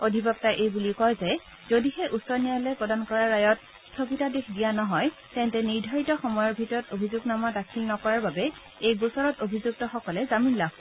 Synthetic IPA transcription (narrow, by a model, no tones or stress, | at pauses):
odʱibɔp̚taʔejbuliʊkɔjzɛ | zodihɛʔusɔɹnijalɛpɹɔdankɔɹaɹːajɔt | stʰokitadexʰdijanɔɦɔj | tɛntɛniɹdʱaɹitɔxɔmɔjɔɹbʱitɔɹɔtobʱizʊɡnamadakʰilnɔkɔɹaɹbabɛ | ejɡusɔɹɔtobʱizuk̚tɔxɔkɔlɛzaminlaɡ